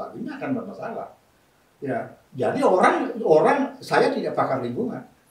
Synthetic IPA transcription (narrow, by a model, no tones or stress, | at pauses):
a̰ɡuɲaːkanbərmasala̰h | ja | d͡ʒadioɾaŋoɾaŋsajat̪idaʔ̚pakarlimbuŋa̰n